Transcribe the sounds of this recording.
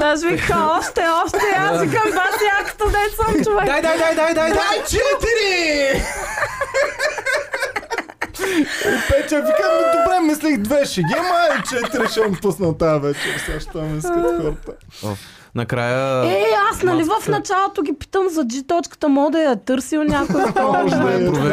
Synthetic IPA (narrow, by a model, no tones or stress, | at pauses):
d̪aʒvixaɔʃt̪ɛɔʃt̪ɛaikɐmvasjakt̪ɐd̪ɛsəmdt͡ʃʊvɛd̪ajd̪ajd̪ajd̪ajd̪ajd̪ajt͡ʃɛt̪iɾi | ipɛtt̪ʲɐvikaɛd̪obɾɛmːislixd̪vɛʃɛɡʲɛmait͡ʃɛt̪iɾiʃɛnposnɐt̪avɛt͡ʃɛɾsaʃt̪amɛ̃nskɐkɔɾt̪ə | nɐkɾajəɛasnɐlivɐfnɐt͡ʃalˠot̪oɡʲipi̥t̪əmzɐd͡ʒit̪ɔt͡ʃkə̥t̪əmɔd̪ɐjɐt̪ɤɾsilnʲakʊmɔʒd̪ɐɐpɾo